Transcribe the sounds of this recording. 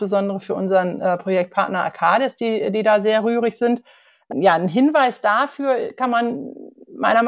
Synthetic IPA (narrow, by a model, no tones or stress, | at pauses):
b̥əzɔndəʁəfyːɐʔʊnzəʁənʔɛpʁ̥ojɛk̚t̚pʰaɐtnɐʔa̰kʰaːdɛsd̥iːdiːdaːzeːɐʁyːʁɪçz̥ɪnt | jaːnɦɪnvaɪsd̥aːfyːɐkʰanmanmaɪnɐm